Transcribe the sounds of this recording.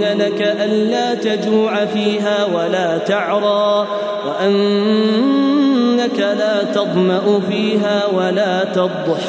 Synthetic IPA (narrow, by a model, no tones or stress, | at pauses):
alakaʔanlaːt̪ad͡ʒuːʕafiːɦaːwalaːt̪ɑʕɾˤɑː | waʔan | akalaːt̪ɑd̪ˤmɑʔʊfiːɦaːwalaːt̪ɑd̪ˤʊħ